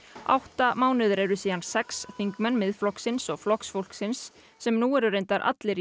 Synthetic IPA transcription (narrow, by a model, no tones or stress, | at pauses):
a̰wht̪amaːwnɪðʏɾɛɾʏsiːðansɛksθiŋkmœnːmɪðflɔksɪnsɔɣflɔksfowl̥ksɪnsː | ɛmnuɛɾʏɾejnt̪aɾʔa̰t̪lɪɾ